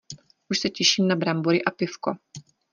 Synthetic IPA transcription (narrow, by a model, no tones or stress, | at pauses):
ʔuʃsɛcɛʃiːmnabɾambuɾɪʔapɪfko̰